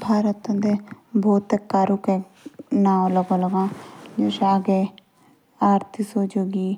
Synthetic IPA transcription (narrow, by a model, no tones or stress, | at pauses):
bʱaːɾət̪ə̃nd̪ebʱoːt̪ekaːɾuke | naːõləɡõːləɡãːd͡ʒoːʃaːɡe | aːɾt̪ʰisoːd͡ʒoːɡiː